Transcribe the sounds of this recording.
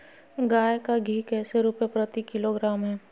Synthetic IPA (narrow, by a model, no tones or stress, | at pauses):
ɡaːjkaɡʱiːkɛːseɾupepɾɐt̪ikɪloɡɾaːmɦɛː